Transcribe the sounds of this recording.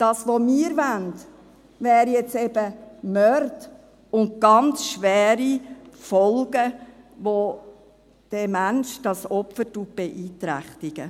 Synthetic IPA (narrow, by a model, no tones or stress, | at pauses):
d̥ɑːsʋomiːɾvænt | vɛːɾijɛt͡sɛbəmœɾd | ʊnt̚ɡ̥ɑnt͡sʃʋɛːɾifɔlɡə | ʋo | d̥ɛmænʃd̥ɑsɔpfətub̥ɛʔiːtɾæ̰χt̪iɡ̥ə